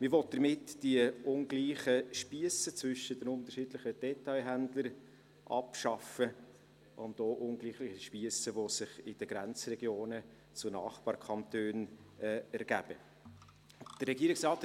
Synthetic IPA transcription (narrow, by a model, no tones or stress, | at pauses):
mɪɾʋɔt̚d̥əɾmɪtd̥iəʊŋɡliːχəʃpiəsət͡svʏʃəd̥ɛnʊnt̪əɾʃidlɪχəd̥ɛtɑɪɦændləɾ | ʔɑ̰pʃɑfə | ʔʊndoːʔʊŋɡliːχlɪːχəʃpiəsəʋosɪχɪd̥əɡɾænt͡srɛɡjoːnə | t͡sʊnɑ̰ːχb̥ɑːɾkʰχɑntøːnɛɛɾɡ̥æ̰b̥ə | d̥ərːɛɡiːɾɪksrɑːt